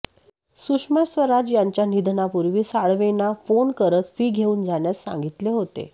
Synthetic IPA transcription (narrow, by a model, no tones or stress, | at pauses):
suʂmasʋəɾad͡ʑjaɲt͡ɕjanid̪ʱnapuɾʋiːsaɭʋenafonkəɾət̪fiːɡʱeuːnd͡zaɳjassã̰ŋɡit̪leɦot̪ḛ